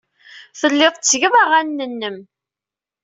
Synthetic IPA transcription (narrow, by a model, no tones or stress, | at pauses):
θəlːɪðˤt͡sːʝəmaʁænːənːəm